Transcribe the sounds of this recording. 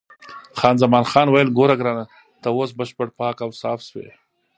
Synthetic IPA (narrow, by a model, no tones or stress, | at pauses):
xɑːnzamɑːnxɑːnwajəlɡoɾaɡɾɑːna | t̪awos̬bəʃpəɽpɑːkawsɑːfswḛ